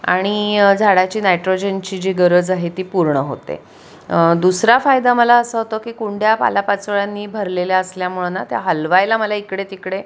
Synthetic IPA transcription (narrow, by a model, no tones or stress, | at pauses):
a̰ɽ̃id͡zʱaɽat͡ɕiːnajʈɾod͡ʑent͡ɕiːd͡ʑiɡəɾəd͡zaɦet̪iːpuɾɳəɦo̰t̪ḛ | d̪usɾafajd̪aməlaəsəɦot̪əkikuɳɖʱjapa̰lapat͡sʋəɭjanːiːbʱəɾleljaəsljamuɭənat̪ja̰ɦəlʋajlaməlaikɽet̪ikɽe